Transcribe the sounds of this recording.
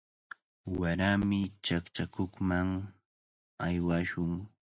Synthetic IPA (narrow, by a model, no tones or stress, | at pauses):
waɾamɪt͡ʃakt͡ʃakoχmaŋ | ajwaʃʊŋ